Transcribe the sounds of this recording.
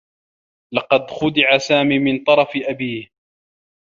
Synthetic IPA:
lɑqɑd̪xʊd̪ɪʕasaːmiːmɪnt̪ˤɑɾˤɑfɪʔabiːh

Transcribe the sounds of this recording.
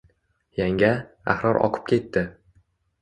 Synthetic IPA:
jaŋʲa | a̰hɾɒɾʔɒ̰qʰɨ̥p̚kʲʰe̞t̪ːɪ

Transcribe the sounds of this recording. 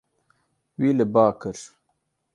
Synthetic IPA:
wiːləbaːkəɾ

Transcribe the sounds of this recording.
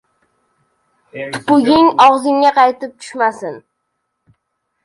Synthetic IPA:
t̪ʰʊ̥pʊɡʲɪŋɒʁzɪŋːaqʰɑjt̪ʰɪp̚t̪ʰʊ̥ʃmasɪn

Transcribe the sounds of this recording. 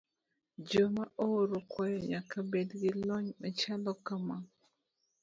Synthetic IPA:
d͡ʒomaoɾokwajɔɲakabedɡilɔɲɔt͡ʃandɔkama

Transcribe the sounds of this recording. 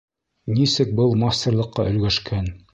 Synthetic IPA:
nisɘk̚bɤlˠmasʲt̪ɤ̆rlˠɤ̆qːɑʔɵ̆lɡæʃkʰæn

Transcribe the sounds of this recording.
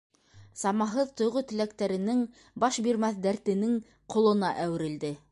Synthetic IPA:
sɑmɑɦɤðt̪ŏjʁot̪ɘ̆lækt̪æɾɘ̆nɘŋ | bɑʃbiɾmæθd̪æɾt̪ɘ̆nɘŋ | qʰŏlˠɤ̆nɑʔæwɘ̆ɾɘ̆ld̪ɘ

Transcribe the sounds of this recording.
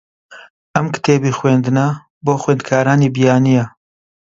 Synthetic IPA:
ʔɐmkɨ̥t̪ʰeːbiːxweːnd̪ɨnɐ | boːxweːnd̪kʰaːɾaːniːbijaːnijɐ

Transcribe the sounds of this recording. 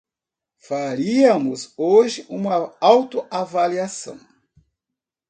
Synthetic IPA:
faɾiɐmʊzoʒɪʔũmɐawt̪ʊavaliasɐ̰̃w̃

